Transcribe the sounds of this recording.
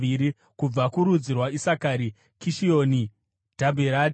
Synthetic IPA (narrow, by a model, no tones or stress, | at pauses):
iɾi | kub͡vakuɾud͡zirwaisakaɾi | kiʃioːni | d̥ʱabʱeɾa